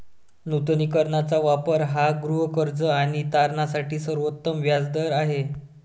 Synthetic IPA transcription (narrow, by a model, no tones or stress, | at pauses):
nut̪nikəɾɳat͡saʋapəɾɦaɡɾuɦəkəɾd͡zəaɽ̃it̪aɾɳasaʈiːsəɾʋət̪ːəmʋjad͡zd̪əɾaɦe